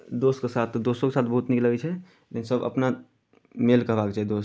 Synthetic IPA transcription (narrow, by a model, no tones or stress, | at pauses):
d̪oskesat̪ʰd̪osõkesaːt̪ʰbəɦut̪nikləɡɛt͡ʃʰɛ | lensəbə̰pna | melkəɦbakt͡ʃʰaɦd̪os